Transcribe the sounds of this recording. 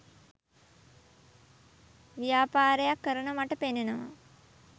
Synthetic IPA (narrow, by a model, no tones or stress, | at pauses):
ʋijaːpaːɾejakːəɾənəmaʈəpenːenəʋa̰